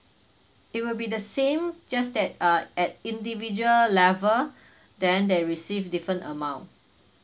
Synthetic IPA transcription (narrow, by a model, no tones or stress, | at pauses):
it̚wilbidəsẽmd͡ʒasdɛt̚ɛt̚ĩndivid͡ʒuəlːɛvə | dɛ̃ndeɹisivdifɹə̃ntəmãʊ̃nt